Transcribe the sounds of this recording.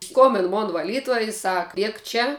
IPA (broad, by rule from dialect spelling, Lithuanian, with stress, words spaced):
ˈskoːmʲbʲɪn ˈmoːn ʋɐˈlʲiːtuɔj ɪ sɐk ˈlʲiɛk ˈt͡ʃʲɛ